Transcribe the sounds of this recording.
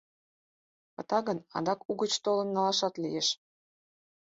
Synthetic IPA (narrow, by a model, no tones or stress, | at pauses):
pə̆t̪ɑɣənɑ̰d̪ɑkuɣət͡ɕt̪olə̆nːɑlɑʃɑt̪lijeʃ